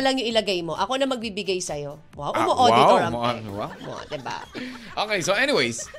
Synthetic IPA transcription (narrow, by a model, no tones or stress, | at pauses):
lɐŋjʊŋʔɪlɐɡajmo̞ʔɐko̞nɐmɐɡ̚bibɪɡajsɐjo̞ | wa̰wʔʔʊmoʔodaɪwɐmoʔwa̰mo̰d̪ɪba̰ʔoːkejsoʔɛniwejs